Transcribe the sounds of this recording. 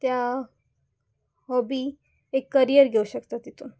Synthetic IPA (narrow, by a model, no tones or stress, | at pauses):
t̪ja | ɦɔbi | ekːəɾijəɾɡʱeuɕəkt̪at̪it̪u